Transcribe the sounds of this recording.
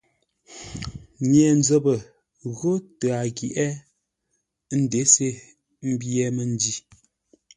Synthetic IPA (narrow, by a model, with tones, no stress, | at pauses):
ɲɛ˨n˦d͡zə˦bə˨ | ɣo˦tə˨a˨ɡi˨ʔɛ˦ | n̩˦de˨˦se˦ | m̩˦bjɛ˦mə˨n˦di˦˨